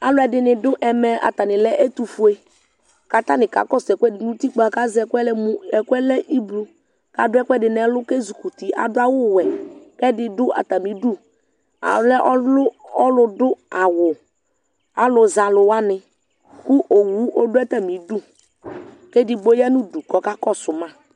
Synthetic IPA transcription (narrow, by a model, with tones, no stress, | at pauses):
a˦lʊ˦ɛ˨dɪ˨nɪ˨dʊ˦ʔɛ˨mɛ˨a̰˨t̪a˨nɪ˨lɛ˦ʔe˦t̪u˨fu˨˦e˦ | ka˨t̪a˦nɪ˨ka̰˨kɔ˦˨sɛ˨kʷɛ˦dɪ˨nũ˦t̪i˦k͡pa˨ka˦zɛ˨kʷɛ˦lɛ˦mũ˦ɛ˨kʷɛ˦lɛ˦ʔi˦blu˨ | ka˨dʊ˦ɛ˦kʷɛ˦dɪ˨n˨ɛ˨˦lʊ˦ke˦zu˨ku˨t̪i˨ʔa̰˨dʊ˦a˦wʊ˦˨wɛ˨kɛ˦dɪ˨dʊ˦ʔa̰˨t̪a˨mĩ˨du˦ | a̰˨lɛ˦ʔɔ˦lʊ˦ɔ˦lʊ˨dʊ˦a˨wʊ˨ | a˨lʊ˨za˨lʊ˨wa˦nɪ˨ | kʊ˦ʔo˨wu˨˦ʔo˦dʊ˦ɛ˦t̪a˨mĩ˨˦du˦ | kɛ˦dɪ˨ɡ͡bo˦ja˦nũ˦du˨kɔ˨ka˦kɔ˦sʊ˨mã˦˨